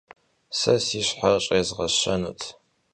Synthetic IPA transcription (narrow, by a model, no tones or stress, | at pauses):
sɐsiːɕħaɕʼeːzʁɐɕɐnṵːtʰ